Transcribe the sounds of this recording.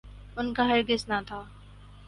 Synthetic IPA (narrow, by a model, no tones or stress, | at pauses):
ʊnkaɦɐɾɡɪsnat̪ʰaː